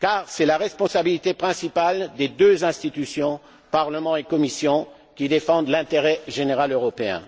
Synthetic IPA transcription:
kaːʁsɛlaʁɛspɔ̃sabilit̪epχɛ̃sipald̪ed̪øzɛ̃st̪it̪ysjɔ̃ | paʁləmɑ̃ekɔmisjɔ̃ | kʲid̪efɑ̃d̪lɛ̃t̪eʁɛʒeneʁaløʁɔpeɛ̰̃

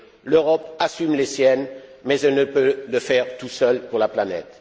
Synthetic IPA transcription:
løʁɔpasymlesjɛnmɛzɛlnəpøləfɛʁt̪usœlpuʁlaplanɛ̰t̪

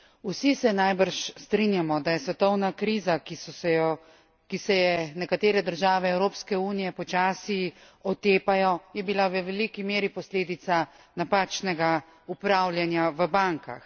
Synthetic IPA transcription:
usisɛnajbəɾʃst̪ɾinjamɔd̪ajɛsʋɛt̪ɔwnakɾiːzakisɔɛjɔ | kisɛjɛnɛkat̪eːɾɛd̪əɾʒaːʋɛːwɾoːpskɛuːnijɛpɔt͡ʃaːsi | ɔt̪eːpajɔjɛbilawʋɛʋɛlikimeːɾipɔsleːd̪it̪sa | napaːt͡ʃnɛɡa | upɾawlʲjanjaʋəbaŋka̰x

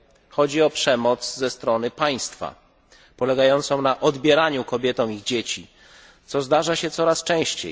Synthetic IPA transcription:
xɔd͡ʑiɔpʂɛmɔt̪szɛst̪ɾɔnɘpaj̃st̪fa̰ | pɔlɛɡajɔnt̪sɔ̃w̃naʔɔd̪bʲjɛɾaɲukɔbʲjɛt̪ɔ̃w̃iɣd͡ʑet͡ɕi | t̪sɔzd̪aʐaɕɛt̪sɔɾast͡ʂɛ̃w̃ɕt͡ɕḛj

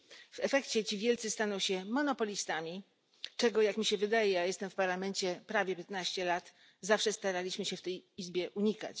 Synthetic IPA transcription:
v̥ɛfɛkt͡ɕɛt͡ɕivʲjɛlt̪sɘst̪anɔw̃ɕɛmɔnɔpɔlʲist̪amʲi | t͡ʂɛɡɔjakmʲiɕɛvɘd̪ajɛjajɛst̪ɛmfpaɾlamɛnt͡ɕɛpɾavʲjɛpʲjɛt̪naɕt͡ɕɛlat̪ | zafʂɛst̪aɾalʲiɕmɘɕɛft̪ɛjizbʲjɛʔuɲika̰t͡ɕ

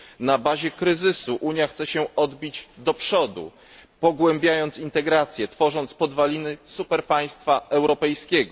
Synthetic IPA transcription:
nabaʑɛkɾɘzɘsuʔuɲjaxt̪sɛɕɛɔd̪bʲid͡ʑd̪ɔpʂɔd̪ṵ | pɔɡwɛmbʲjajɔnt̪sint̪ɛɡɾat̪sʲjɛt̪fɔʐɔnt̪spɔd̪valʲinɘsupɛɾpaj̃st̪faʔɛwɾɔpɛjskʲɛɡɔ

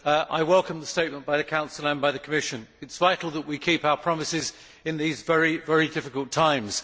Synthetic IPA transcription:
ʔa̰ɪwɛlˠkʰə̃mðəsteɪt̚mə̃nb̥aɪðɨkʰãʊ̃nsəlˠə̃nbaɪðɨkʰəmɪʃə̃nɨtsv̥aɪtˡl̩ˠðəʔ̚wikʰipaʊəpʰɹ̥ɒmɪsɪz | ɪ̃nðizvɛɹivɛɹidɪfɪkəlˠtʰãɪ̃mz̥

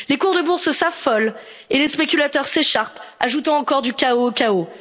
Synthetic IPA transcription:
lekuʁd̪əbuʁssafɔl | elespekʲylat̪œʁseʃaʁpaʒut̪ɑ̃ɑ̃kɔʁd̪ykʲaokʲao

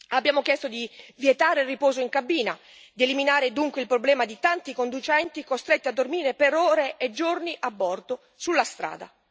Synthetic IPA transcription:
abːjaːmok̟jɛst̪od̪ivjet̪aːɾelripɔːzoiŋkabiːna | d̪ieliminaːɾed̪uŋkweilpɾoblɛːmad̪it̪ant̪ikond̪ut͡ʃɛnt̪ikost̪ɾet̪ːiad̪ːormiːɾepeɾɔːɾeːd͡ʒːorniʔabːɔrd̪o | sulːast̪ɾa̰ːd̪a̰

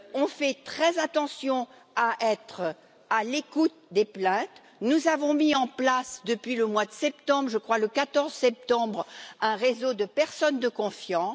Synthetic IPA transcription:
ɔ̃fɛt̪χɛzat̪ɑ̃sjɔ̃ | aʔɛt̪χ | alekut̪̚d̪eplɛ̃t̪ | nuzavɔ̃miɑ̃plasd̪əpɥiləmwad̪əsɛpt̪ɑ̃bʁʒəkχwaləkat̪ɔʁzsɛp̚t̪ɑ̃bʁɛ̃ʁezod̪əpɛʁsɔnd̪əkɔ̃fjɑ̃

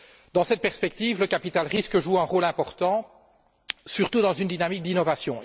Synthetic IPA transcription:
d̪ɑ̃sɛt̪̚pɛʁspɛk̚t̪iːvləkapit̪alʁiskəʒueɛ̃ʁoːlɛ̃pɔʁt̪ɑ̃ | syʁt̪ud̪ɑ̃zynd̪inamik̚d̪inɔvasjɔ̃

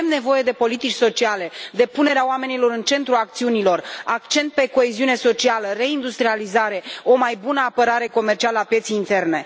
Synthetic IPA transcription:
emne̞vo̞je̞d̪e̞po̞lit̪it͡ʃʲso̞t͡ʃiale̞d̪e̞pune̞ɾeaoame̞nilo̞ɾɨnt͡ʃe̞nt̪ɾuak̚t̪siunilo̞rakt͡ʃe̞nt̪̚pe̞ko̞eziune̞so̞t͡ʃialəre̞ind̪ust̪ɾializaɾe̞o̞majbunəapəɾaɾe̞ko̞mert͡ʃialəapje̞t̪sijːnt̪e̞rne̞

